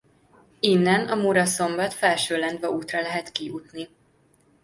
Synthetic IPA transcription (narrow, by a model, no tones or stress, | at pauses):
inːɛnɒmuɾɒso̞mbɒt̪fɛlʃøːlɛnd̪vɛuːt̪rɒlɛɦɛt̪kiut̪ni